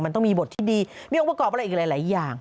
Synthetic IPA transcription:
ma˧nt̪ɔ˥˩miː˧bo˨˩t̪ʰːiː˥˩diː˧miː˧˥ʔo˧pa˧kɔː˨˩p̚a˧ʔiː˨˩lːlaː˩˦jjaː˨˩ŋ

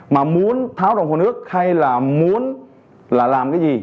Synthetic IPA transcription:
maː˨˩mu˨˦ənt̪ʰaː˨˦wzɔ˨˩ŋ͡mhoː˨˩nɨ˦˥ək̚ha˧jlaː˨˩mu˨˦ən | laː˨˩laː˨˩mkaː˨˦jzi˨˩

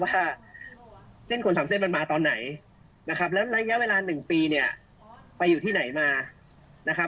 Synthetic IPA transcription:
waː˥˩ | se˥˩nkʰo˧nsaː˩˦mse˥˩nma˧nmaː˧t̪ɔː˧nːa˩˦j | na˦˥kʰa˦˥p̬̚lɛː˦˥wla˦˥ja˦˥ʔweː˧laː˧nɯ˨˩ŋpiː˧ni˥˩ɐ | pa˧jːuː˨˩t̪ʰiː˥˩na˩˦jmaː˧ | na˦˥kʰa˦˥p̚

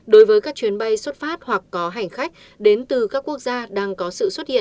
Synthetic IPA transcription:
ɗo˨˦jvəː˨˦jkaː˦˥k̚t͡ɕwi˨˦ənɓə˧jswə˦˥t̚faː˦˥t̚hwa˨˩kːɔ˨˦ɦa˨˩jŋ̟xa˦˥jk̟̚ | ɗe˨˦nt̪ɨ˨˩kaː˦˥kːu˦˥ək̚zaː˧ɗaː˧ŋkɔ˨˦sɨ̰˧˨swt̚hḭ˧˨

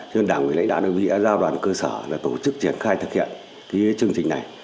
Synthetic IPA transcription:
zə˧nɗaː˧˩ŋwl̰a̰˧˥ŋ̟ɗa̰˧˨ʔɗ̚vḭ˧˨ʔaː˧˦zaː˧ɗwaː˨˩nkəː˧sə̰ː˧˩laː˨˩t̪o˧˩t͡ɕɨ˦˥k̚t͡ɕi˧˩ənxaː˧jt̪ʰɨ˨˩k̚hḭ˧˨ən | kaː˨˦t͡ɕɨ˧əŋt͡ɕï˨˩ŋ̟na˨˩j

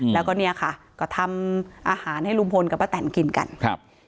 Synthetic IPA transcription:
lɛː˦˥wkɔː˥˩ni˥˩ɐkʰa˥˩kɔː˥˩t̪ʰa˧mʔaː˧haː˨˩˦nha˥˩jlu˧mpʰo˧nka˨˩pːmaː˦˧t̪ɛː˨˩˦nki˧nka̰˧nkʰa̰˧p̚

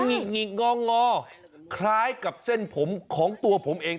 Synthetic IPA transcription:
ŋi˨˩k̚ŋi˨˩k̚ŋɔː˧˥˩ŋɔː˧˥˩ | kʰɾaː˦˥˩jka˨˩p̚se˥˩npʰo˩˦mkʰɔː˩˦ŋt̪u˧ɐpʰo˩˦mʔeː˧ŋ

